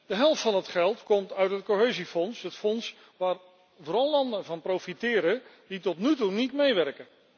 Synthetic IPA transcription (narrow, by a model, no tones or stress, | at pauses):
d̥əɦɛlˠftfɑnɦətχɛlˠtkɔmtœɥtɦət̚koɦejzifɔnsɦətfɔns | ʋaːr | vʊːɾɑlˠːɑndənvɑnprofitɪːɾən | ditɔtnytunitmejʋɛrkə